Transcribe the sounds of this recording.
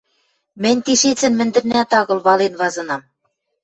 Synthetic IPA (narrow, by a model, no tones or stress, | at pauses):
mɘ̆nʲt̪iʃet͡sɘ̆nmɘ̆nd̪ɘ̆rnæt̪ɑɣɤ̆lβɑlenβɑzɤ̆nɑm